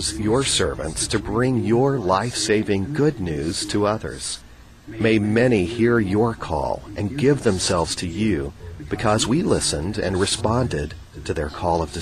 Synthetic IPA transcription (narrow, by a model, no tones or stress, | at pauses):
zjə˞sɜ̰˞vɨ̰̃ntstʰɨbɹɪ̃ŋjə˞laɪfseɪvɪ̃ŋɡʊdⁿnʉz̥tʰəʌðə̰˞z̥ | meɪmɛñihiɹjə˞kʰɔ̰lˠʔɨ̃nɡɪvðɨ̃msɛlˠvz̥tʰɨjʉb̥ɨkʰʌzwilɪsɨ̃ndɨ̰̃nɹɨspɑ̃ndɪd̚ | tʰɨðə̰˞kʰɔlˠʌvdɨ